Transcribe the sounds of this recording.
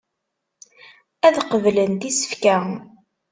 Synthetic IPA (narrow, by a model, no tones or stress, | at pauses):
æðqəvlənt̪isə̥fkæ